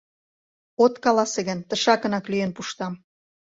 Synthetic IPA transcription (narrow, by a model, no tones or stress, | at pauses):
ot̪kɑlɑseɣə̆nt̪əʃɑkə̆nɑklyjənpuʃt̪ɑm